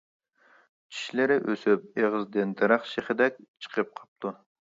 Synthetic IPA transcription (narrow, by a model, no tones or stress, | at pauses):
t͡ʃʰi̥ʃlɪɾɪʔøsyp̚eʁɨzd̪ɪnt̪ʰɨɾɑχʃeχɪd̪ɛk̚ʲt͡ʃʰə̥qʰəp̚qʰɑ̥p̚t̪ʰu